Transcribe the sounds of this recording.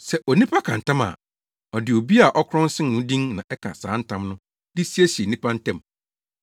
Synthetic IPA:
sɛ˦ʔɔ˨nĩ˦pʰa˦kʰã˨n̩˨tã˦ma̰˨ | ɔ˨dɪ˨o˨bi˦a˨ʔɔ˦kʰɾɔ̃˦n̩˦sɪ̃˦n˨nʊ̃˦dĩ˦ŋnã̰˨ʔɛ˦kʰã̰˨sa̰ː˨˦n̩˦tʰã˦mnʊ̃˦ | dɪ˦si˦e˦si˨e˨nĩ˦pʰa˦n̩˦tʰɛ̃˦˨m

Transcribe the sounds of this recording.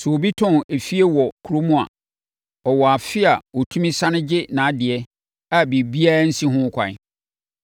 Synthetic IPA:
sɛ˨o˨bi˦tʰʊ̃˦ne˨fi˦e˦wɔ˨kʰɾo˦mũ˦a̰˨ | ɔ˨wɔ˨a˨fɪ˦a˨wɔ˨tʰũ˦mĩ˦sã˦nʊ̃˦d͡ʑɪ˦nã˨˦dɪ˨ɛ˦ | a˨bi˨bi˦a˦n̩˦sĩ˦ɦʊ̃˦kʷʰã̰˨

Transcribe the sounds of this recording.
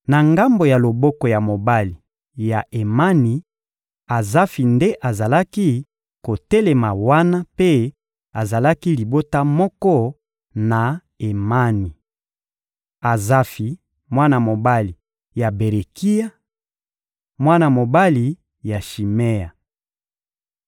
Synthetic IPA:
na˨ŋɡa˦mbo˨ja˨lo˨bɔ˦kɔ˨ja˨mo˨ba˦li˨ | ja˨ʔe˨ma˦ni˨ | a˨za˦fi˨nde˦ʔa˨za˨la˦ki˦ | ko˨tɛ˦le˨ma˨wa˦na˦pe˦ | a˨za˨la˦ki˦li˨bo˦ta˦mɔ˦kɔ˦ | na˨ | e˨ma˦ni˨ | a˨za˦fi˨ | mwa˦na˨mo˨ba˦li˨ | ja˨be˨ʁe˨ki˦ja˦ | mwa˦na˨mo˨ba˦li˨ | ja˨ʃi˨me˦ja˨

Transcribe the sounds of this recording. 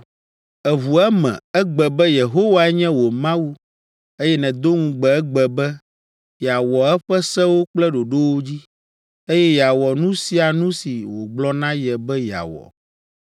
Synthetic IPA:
ɛ˨βu˨ɛ˦mɛ̰̃˨ɛ˦ɡ͡bɛ˨bɛ˦je˨ɦo˦wa˦ɛ˦ɲɛ̃˦wo˨mã˦wu˦ | e˦jɛ˦nɛ̃˨d̪o˦ŋũ˨ɡ͡bɛ˨ɛ˦ɡ͡bɛ˨bɛ˦ | ja˨wɔ˨ɛ˦ɸɛ˦sɛ˦wo˦k͡plɛ˦ɖo˨ɖo˦wo˦d͡ʑi˦ | e˦jɛ˦ja˨wɔ˨nũ˦si˦a˨nũ˦si˨wo˨ɡ͡blɔ˦nã˦jɛ˨bɛ˦ja̰˨wɔ̰˨

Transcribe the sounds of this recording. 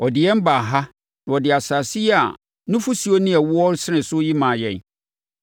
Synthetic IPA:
ɔ˨dɪ˨jɛ˦m˦ba˨ɦa˦ | nã˨ɔ˨dɪ˨a˨sa˨si˦ja̰˨ | nʊ̃˦fu˦si˨o˦nɪ̃˦ɛ˨wʊ˦ɔ˦ɾsɪ˦nɪ̃˨sʊ˦ji˦mã˨jɛ̃˨n

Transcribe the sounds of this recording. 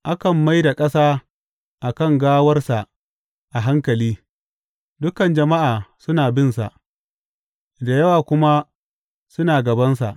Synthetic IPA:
ʔa˦kɐ˨mːa˦jda˨kʼɐ˦saː˦ | ʔa˨kɐ˦˨ŋɡaː˦wɐ˦rsa˨ʔ | ʔa˨ɦa˦ŋkɐ˨liː˦ | dʊ˦kɐ˨nd͡ʒɐ˨ma˦ʔaː˨sʊ˦naː˨bɪ˦nsa̰˨ʔ | da˨jɐ˦waː˨kʷʊ˦ma˦ | sʊ˦naː˨ɡɐ˨bɐ˦nsa̰˨ʔ

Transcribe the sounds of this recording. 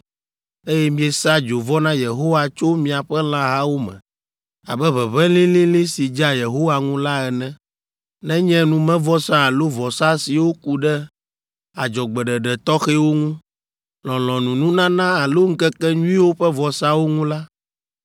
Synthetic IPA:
e˦jɛ˦mĩ˦ɛ˨sa˦d͡ʒo˨vɔ˦nã˦je˨ɦo˦wa˨t͡ʃo˦mĩ˨a˨ɸɛ˦l̃ã˦ɦa˦wo˦mɛ̰̃˨ | a̰˨bɛ˦βɛ˨βɛ̃˦lĩ˦lĩ˦lĩ˦si˨d͡ʒa˦je˨ɦo˦wa˨ŋũ˦la˦ɛ˨nɛ̃˦ | nɛ̃˦ɲɛ̃˦nũ˨mɛ̃˦vɔ˦sã˦a˨lo˦vɔ˨sa˦si˨wo˦ku˦ɖɛ˦ | a˨d͡ʒɔ˨ɡ͡bɛ˨ɖɛ˨ɖɛ˨t̪ɔ˦xe˦wo˦ŋũ˦ | lɔ̃˨l̃ɔ̃˨nũ˨nũ˦nã˦nã˦a˨lo˦ŋ̩˦kɛ˦kɛ˦ɲũ˦ĩ˦wo˦ɸɛ˦vɔ˨sa˦wo˦ŋũ˦la˦

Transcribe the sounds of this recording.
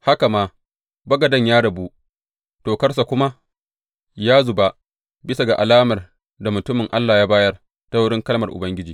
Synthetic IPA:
ha˦ka˨maː˦ | bɐ˦ɡɐ˨dɐ˦ɲjaː˦ɽɐ˨bu˦ʔ | toː˨kɐ˦rs̬a˨kʷʊ˦ma˦ | jaː˦zʊ˨ba˦ | bɪ˦sa˨ɡa˨ʔa˨laː˦mɐ˨r | da˨mʊ˨tʊ˦mɪ˨ŋʔa˦lːaː˨jaː˦baː˦jɐ˦r | ta˦wʊ˦ɽɪ˦ŋkɐ˦lmɐ˨rʔʊ̰˨bɐ˦ŋɡʲɪ˦d͡ʒiː˨

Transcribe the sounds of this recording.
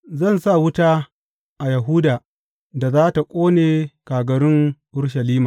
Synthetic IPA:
zɐ˦˨nsa˦˨wʊ˦taː˦ | ʔa˨jɐ˨ɦuː˦daː˨ | da˨zaː˦ta˨kʷʼoː˦neː˨kaː˨ɡɐ˨ɾɪ˦ŋʔʊ˦ɽʃ̬ɐ˨liː˦maː˨

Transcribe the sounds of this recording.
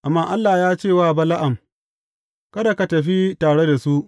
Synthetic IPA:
ʔa˨mːaː˦ʔa˦lːaː˨jaː˦t͡ʃeː˦˨waː˦˨bɐ˦la˦ʔa˨m | kɐ˦da˨ka˨tɐ˨ɸi˦taː˨ɽe˦da˨su˦ʔ

